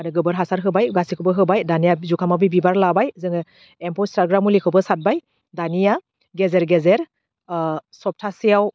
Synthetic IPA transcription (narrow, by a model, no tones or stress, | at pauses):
aɾɯɡɯbɯɾɦasaɾɦɯbajɡasikʰɯbɯɦɯbajdanijazukʰamabibibaɾlabajzɯŋɯ | empɔistaɾɡɾamulikʰɯbɯsat̚baj | danija | ɡezeɾɡezeɾ | sɔp̚tʰasijaw